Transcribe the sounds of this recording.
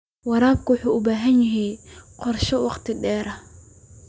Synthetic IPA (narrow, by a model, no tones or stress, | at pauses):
wɑɾaːb̚kʰʊwʊħuːʊbaːɦɐnjɐɦiqɔrʃɔwɑqt̪ʰɪɖɛːɾɐh